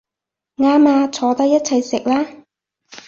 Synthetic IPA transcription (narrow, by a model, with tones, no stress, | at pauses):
ŋaː˧˥maː˧t͡sʰɔː˨˧t̪ɐ˥k̚jɐ˥t̚t͡sʰɐ˨jsɪ˨k̚laː˥